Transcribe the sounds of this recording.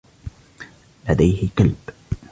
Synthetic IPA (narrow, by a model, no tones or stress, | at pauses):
lad̪ajhɪqalb̥